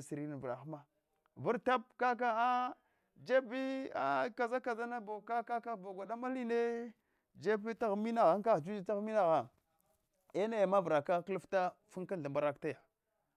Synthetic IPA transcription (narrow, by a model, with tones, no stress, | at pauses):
si˨ɾi˦na˨va˨xma˦ | vu˦ɾta˦p̚ka˦k̬a˦a˦ | d͡ʒe˦bi˦a̰˦ka˨za˦ka˨za˦na˦bo˨ka˦ka˦ka˦˨bo˨ɡʷa˨ɗa˦ma˦li˦ne˦ | d͡ʒe˦bi˦ta˦ɣmi˦na˨ɣa˦ŋ˦ka˦ɣd͡ʒu˦d͡ʒi˦ta˦ɣmi˦na˦˨ɣa˨ | e˦na˦˨ja˨ma˦vɾa˨ka˦klu˦fta˦fu˦ka˦nɬa˨mba˦ɾa˦k̚ta˦ja˨